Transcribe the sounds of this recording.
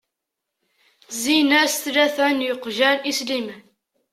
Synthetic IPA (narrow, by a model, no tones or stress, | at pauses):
zinæsθlæθænjəqʒæɾislimən